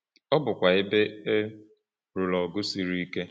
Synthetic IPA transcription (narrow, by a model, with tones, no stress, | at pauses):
ɔ˦bʊ˨kʷa˨ɪ˦be˦e˦ | ɾʊ˨lɔ˨ɡʊ˦si˨ɾi˦ke˦